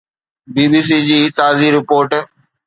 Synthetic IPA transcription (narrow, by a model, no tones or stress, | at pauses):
biːbiːs̬iːd͡ʑiːt̪aːziːɾɪpoːɾʈ